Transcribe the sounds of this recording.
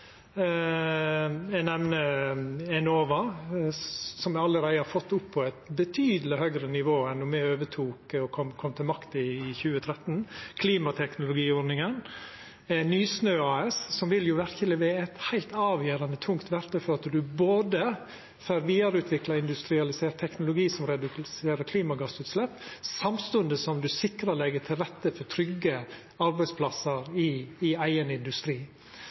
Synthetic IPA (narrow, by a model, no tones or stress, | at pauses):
ɛnɛmnəɛnoːʋɑ | sɔmæɑlːəɾæɪəhɑɾfɔt̪ːʊpʰːɔɛɪt̪bət̪ʰyːd̪əlɪhœɡɾənɪʋoːɛnːɔmɛøːʋətʰuːkɔkʰɔmkʰɔmːt̪ʰɪlmɑkt̪əɪːçʉːət̪ʰɾɛt̪ːnkʰliːmɑt̪ʰɛknʊlʊɡiːɔnɪŋən | ɛnyːsnøːɑːɛssɔmʋɪljʊʋæɾçəlɛʋeːɛt̪hæɪlt̪ɑːʋjøːɾɑnət̪ʰʊŋkt̪ʋæɾt̪əfɔɾɑt̪ɖʉboːd̪ə | føːɾʋiːɑɾʉːt̪ʋɪklɑɪnd̪ʉst̪ɾɪɑlɪseːɾʈt̪ʰːɛknʊlʊɡiːsɔmɾɛd̪ʉk̪seːɾəkʰliːmɑɡɑsʉːt̪slɛpːsɑmst̪ʉnd̪əsɔmd̪ʉsɪkɾɑlɛɡətʰɪlɾɛt̪ːəfɔt̪ʰɾʏɡːə | ɑɾbæɪspʰlɑsəɾɪːæɪənɪnd̪ʉst̪ɾiː